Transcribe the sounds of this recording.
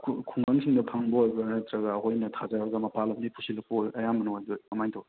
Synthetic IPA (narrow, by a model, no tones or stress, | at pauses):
kʰkʰuŋbɐŋsʰiŋdɐpʰɐŋbɐojbɐnɐtɾɐɡɐːhojnɐtʰazaɾɐɡɐmɐpalɐmnipʰusilɐk̚poojɐjamɐnoajdojmɐmajntʰo